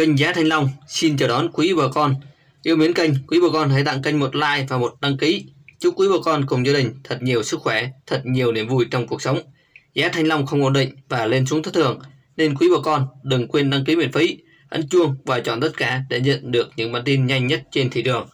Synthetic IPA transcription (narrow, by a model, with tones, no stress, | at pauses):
kə˧jŋ̟zaː˨˦t̪ʰa˧jŋ̟lɔ˧wŋ͡msi˧nt͡ɕəː˧˩ɗɔ˨˦nkwi˨˦ɓəː˨˩kɔ˧n | ʔi˧əwmi˨˦ənkə˧jŋ̟kwi˨˦ɓəː˨˩kɔ˧nt̪a˧˦jt̪a̰˧˨ŋkə˧jŋ̟mo˨˩t̚la̰ː˧˨jvaː˨˩mo˨˩t̚ɗa˧ŋki˨˦t͡ɕɨ˦˥kːwi˨˦ɓəː˧˩kɔ˧nkʊ˨˩ŋ͡mzaː˧ɗï˨˩ŋ̟t̪ʰə˨˩t̚ɲi˨˩əwsɨ˦˥k̚xwɛ˧˩t̪ʰə˨˩t̚ɲi˨˩əwni˧˩əmvu˧jt͡ɕɔ˧wŋ͡mku˨˩ək̚sə˨˦wŋ͡m | zaː˨˦t̪ʰa˧jŋ̟lɔ˧wŋ͡mxə˧wŋ͡mʔo̰˧˨nɗḭ̈˧˨ŋ̟vaː˨˩le˧nsu˨˦ŋt̪ʰə˦˥t̪̚ʰɨ˨˩əŋ | ne˧nk̬wi˨˦ɓəː˧˩kɔ˧nɗɨ˨˩ŋkwe˧nɗa˧ŋki˨˦m˧˨ənfi˨˦ | ʔə̰˧˥˩nt͡ɕu˧əŋvaː˨˩t͡ɕɔ̰˧˨nt̪ə˦˥t̚kaː˧˩ɗḛ˧˥ɲə̰˧˨nɗɨ˨˩ək̚ɲɨ̰˧˥ŋɓa̰ː˧˨nt̪i˧nɲa˧jŋ̟ɲə˦˥t̚t͡ɕe˧nt̪ʰi˧˩ɗɨ˨˩əŋ